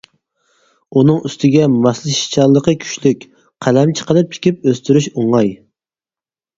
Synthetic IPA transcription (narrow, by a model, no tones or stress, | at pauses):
unɨŋyst̪ʰɪɡʲɛmɑslˠɨʃi̥t͡ʃʰɑlˠːəqəkʲʰy̥ʃlykʲ | qʰælɛmt͡ʃʰə̥qəlˠɨp̚t͡ʃʰi̥kʲip̚øst̪yɾyʃoŋɑj